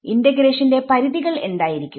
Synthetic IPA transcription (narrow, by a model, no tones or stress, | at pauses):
indɐɡɾe̞ːʂɐnde̞pɐɾiðiɣɐɭe̞nd̪aːjiɾikʲːu